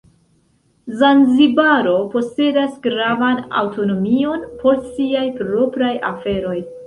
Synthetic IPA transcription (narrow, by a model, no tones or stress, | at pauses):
zanzibaɾo̞po̞se̞dasɡɾavana̰wto̞no̞mio̞npʰo̞ɾsiajpɾo̞pɾajafe̞ɾo̞j